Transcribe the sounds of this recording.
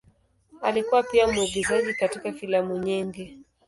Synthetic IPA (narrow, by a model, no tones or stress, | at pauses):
alikuwapiamuuɡuzaʄikatikafilamuɲiŋɡi